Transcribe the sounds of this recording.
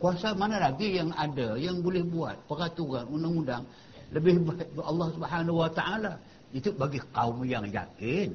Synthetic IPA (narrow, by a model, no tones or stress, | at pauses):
kuasamanalaɡijaŋadajaŋbolɛhbua̰t̪̚pəɾat̪uɣanundaŋundaŋ | ləbɪhbaɪt̚bəɑlːɑhsubħanawat̪aʔala | it̪ubaɡikaumjaŋja̰kɪn